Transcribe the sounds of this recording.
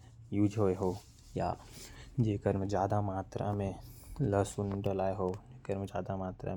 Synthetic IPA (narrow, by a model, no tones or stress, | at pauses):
juːd͡ʒʱɦoːeɦo | ja̰ | d͡ʒeːkəɾmezjaːd̪amaːt̪ɾə̰mẽləsunɖəlaːeɦoːd͡ʒeːkəɾmed͡ʒjaːd̪amaːt̪ɾə̰